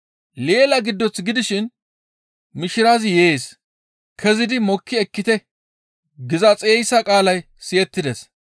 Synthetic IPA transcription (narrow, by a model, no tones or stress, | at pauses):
le̞ːlɐɡɪd̪ːɔt͡sɡɪd̪ɪʃɪn | mɪʃɪɾaːzjeːs | kʰɛzɪd̪ɪmɔkːɪɛkːɪt̪ɛ | ɡɪzɐt͡sʼe̞ːjsɐkʼaːlɐj | sɪjɛt̪ːɪd̪ɛs